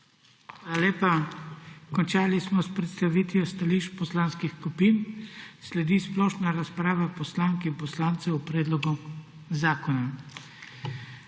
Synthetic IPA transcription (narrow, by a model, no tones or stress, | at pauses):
xalaleːpa | kɔnt͡ʃaːlismɔspɾɛt̪st̪aʋit̪jɔst̪aliːʃpɔslanskixkupiːnslɛd̪iːsplɔːʃnaɾaspɾaːʋapɔslaːŋkɛinpɔslaːnt̪sɛupɾɛːd̪lɔɡu | zaːkɔna